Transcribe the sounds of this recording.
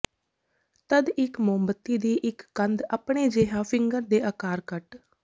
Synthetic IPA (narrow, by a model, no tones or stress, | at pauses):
t̪əd̪ɪkmoːmbət̪ːiːd̪iːʔɪkːənd̪aːpɳeːd͡ʒeːɦãːpʰɪŋɡəɾd̪eːʔəːkaːɾkəʈ